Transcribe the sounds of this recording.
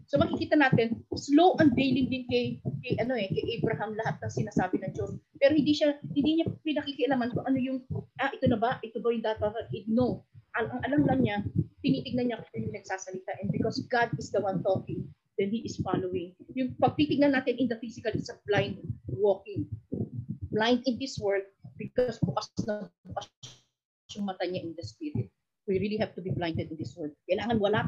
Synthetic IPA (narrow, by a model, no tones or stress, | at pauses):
somɐkɪkiːt̪ɐnaːt̪ɪnslowʔɐnd̪̚vejlɪŋd̪ɪnkɐjkɐjʔɐno̞ʔɛkɛjʔɛjbɾɐɦɐmlɐɦat̪̚nɐŋsɪnaːsaːbɪnɐŋd͡ʒospɛːɾohɪnd̪iʃɐhɪnd̪iɲapɪnɐkikɪʔɐlaːmɐnkʊŋʔɐno̞jʊŋʔaʔɪt̪onɐbɐʔɪt̪obɐjʊŋd̪aːt̪ɐɾɐʔɪɡ̚noʔɐʔɐŋʔɐlamlɐmɲap̪ɪniːt̪ɪɡnɐnɲakɪt̪ojʊŋnɐɡ̥̚saːsɐlɪt̪aʔɛn̚bɪkosɡad̪̚ɪsd̪ɐwɐ̃nt̪okɪŋ | d̪ɛnhiʔɪsfalowɪ̃ŋjʊŋpɐɡ̚t̪it̪ɪɡ̚nɐnːaːt̪ɪnʔɪnd̪ɐfisɪkɐlɪsɐblajnd̪̚wokɪŋ | blaj̃nt̪ɪ̃nd̪ɪswɛɹd̪̚bɪkosbʊkassnɐbʊka | jʊŋmɐt̪aɲaʔɪnd̪ɐspiɾɪt̪̚ | wiɹiliɦɛvt̪ʊbiblaj̃nt̪ɛd̪ɪ̃nd̪ɪswɛɹd̪̚kːɐjɪlaːŋɐnwɐla